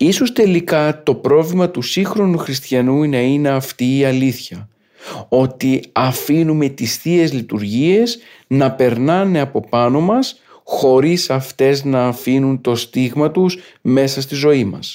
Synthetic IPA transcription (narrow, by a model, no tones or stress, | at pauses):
iso̞st̪e̞likɐt̪o̞pɾo̞vlimɐt̪usixɾo̞nuxɾist̪çɐnunɐine̞ɐft̪iːɐliθçɐ | o̞t̪iɐfinume̞t̪isθie̞zlit̪uɾʝie̞s | nɐpe̞ɾnɐne̞ɐpo̞pɐno̞mɐs | xo̞ɾisɐft̪e̞znɐːfinunt̪o̞st̪iɣmɐt̪usme̞sɐst̪izo̞imɐ̰s